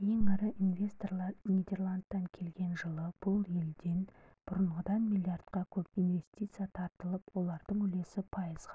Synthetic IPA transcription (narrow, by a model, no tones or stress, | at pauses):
je̞ŋɑɾəʔinve̞st̪orlˠɑnijd̪ʲe̞rlˠand̪ːɑŋkʲʰe̞lɡʲe̞nʒəlˠəb̥ʊlˠje̞ld̪e̞nb̥ʊɾəɴʁəd̪ɑnmilʲijart̪qɑkʲʰɵpinve̞st̪ʲit̪sɨjat̪ʰɑɾt̪əlˠəpwo̞lˠɑɾd̪əɴʏle̞sɪpʰɑjəzʁɑ